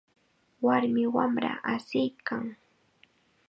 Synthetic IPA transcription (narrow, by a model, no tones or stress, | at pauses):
waɾmɪwamɾa̰ʔasɪjkʰaŋ